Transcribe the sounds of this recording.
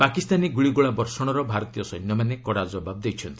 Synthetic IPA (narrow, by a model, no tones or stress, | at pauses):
pakist̪aniɡuɭiɡuɭabɔɾsɔɽ̃ɔɾɔbʱaɾɔt̪ijɔsɔnːɔmanekɔɽad͡ʒɔbab̚d̪ejt͡ʃʰɔnt̪i̥